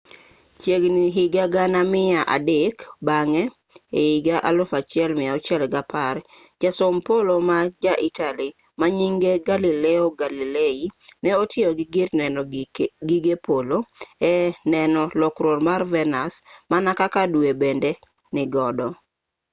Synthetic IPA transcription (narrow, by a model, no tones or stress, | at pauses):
t͡ʃjeɡniɦɪɡaɡanamɪaʔa̰dɪkbaŋɛ | eiɡaʔalofat͡ʃɪɛlmɪaɔt͡ʃɛlɡapaɾ | d͡ʒasompolomad͡ʒaʔitali | maɲiŋɡeɡalilɛoɡalileinɛotʰjɪoɡɪɡɪrnɛnɔɡiɡepoloɛnɛnɔlɔkɾoɾmarvɛnasmanakakadwebende | nɪɡɔdɔ